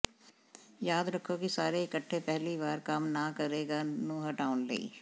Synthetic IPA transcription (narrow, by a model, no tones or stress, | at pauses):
jaːd̪ɾɐkʰːokisaːɾeɪkəʈʰːepɛɦliβaːɾkamnakɐɾeːɡanuːɦɐʈaːʊnlḛḭː